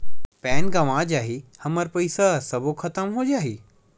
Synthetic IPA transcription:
pɛːnɡaʋãːd͡ʑaːɦehɐməɾpɐisasɐboxʰɐt̪əmɦod͡ʑaːɦeː

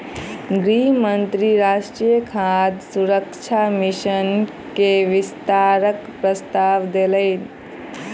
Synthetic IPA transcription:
ɡɾimənt̪ɾiɾaːʃʈɾiːjəkʰad̪suɾəkt͡ʃʰamiʃən | keʋɪst̪aːɾəkpɾəst̪aːʋd̪eləɪn

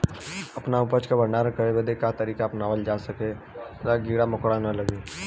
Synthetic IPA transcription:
ɐpnaʊpət͡ʃkabɐɳɖaːɾə̃kəɽebəd̪ekat̪ɐɾiːkaːpnaːʋəld͡ʒaːsɐke | ɾaɡiːɽamʊkɽanɐlɐɡeː

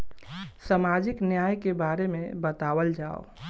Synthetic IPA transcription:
samad͡ʒɪknjaːjkebaɾemẽbət̪aːʋəld͡ʒaːo̰

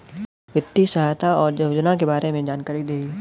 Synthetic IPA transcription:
ʋɪt̪ːisɐɦaːjt̪ʰaɔːɾd͡ʒɐwd͡ʒnakebaːɾemẽd͡ʒaːnkaːɾid̪eːi

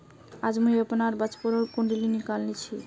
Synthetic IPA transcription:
ad͡ʑmujɛponaɾbat͡ʃpoɾoɾkoɳɖilinikalnit͡ɕʰi

